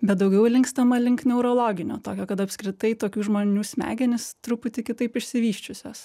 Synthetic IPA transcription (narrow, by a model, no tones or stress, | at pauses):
bʲɛt̪̚d̪ɐʊɡʲɛʊlʲɪŋkst̪ɐmɐlʲɪŋknʲɛʊɾoːlˠoːɡʲɪnʲo̰ːt̪oːkʲoːkɐt̪ɐpskɾʲɪt̪ɐɪt̪oːkʲuːʒmoːnʲuːsʲmʲæ̰ːɡʲɛnʲɪst̪ɾʊpʊt̪ʲɪkʲɪt̪ɐɪpɪʃʲsʲɪʋʲiːʃʲt͡ʃʲʊsʲoːs